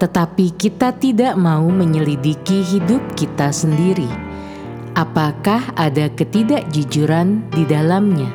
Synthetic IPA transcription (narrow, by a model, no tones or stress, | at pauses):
t̪ət̪apikit̪at̪idaʔmauməɲəlidikiɦidʊp̚kit̪asəndiɾi | ʔapakahadakət̪idaʔd͡ʒud͡ʒuɾandidalamɲa